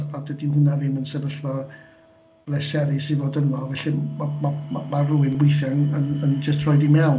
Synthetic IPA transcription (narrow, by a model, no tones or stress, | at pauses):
adədinhʊnavɪmənsɛvəɬvɔ | blɛsɛɾisivoːdənɔvɛɬimamamamaruɪnwɪjθjaŋənənd͡ʒəstʰrɔjdimɛw